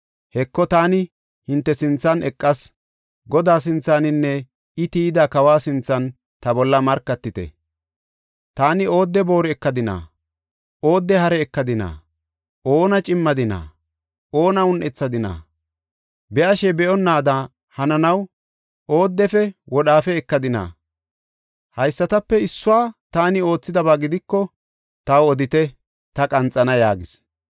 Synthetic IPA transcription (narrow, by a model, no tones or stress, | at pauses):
hɛkːɔt̪aːnɪ | hɪnt̪ːɛsɪnt͡sːɐnɛkʼːɐs | ɡɔd̪aːs̬ɪnt͡sːaːnɪnːɛ | ɪt̪iːd̪aːkɐwaːsɪnt͡sːɐn | t̪ɐbɔlːɐmɐɾkːɐt̪ːɪt̪ɛ̰ | t̪aːnɪo̞ːd̪ːɛbo̞ːɾɛkːɐd̪ɪna̰ː | ʔo̞ːd̪ːɛhɐɾɛːkːɐd̪ɪna̰ː | ʔo̞ːnɐt͡ʃʼɪmːɐd̪ɪna̰ː | ʔo̞ːnɐʊnʔɛt͡sːɐd̪ɪna̰ː | bɛʔɐʃɛbɛʔɔnːaːd̪ɐ | hɐnɐnɐw | ʔo̞ːd̪ːɛfɛwɔɗaːfɛɛkːɐd̪ɪna̰ː | hɐjsːɐt̪ɐpːɛɪsːʊwaːt̪aːnɪo̞ːt͡sːɪd̪ɐbaːɡɪd̪ɪkːɔ | t̪ɐwɔd̪ɪt̪ɛ | t̪ɐkʼɐnt͡sʼːɐnɐjaːɡɪs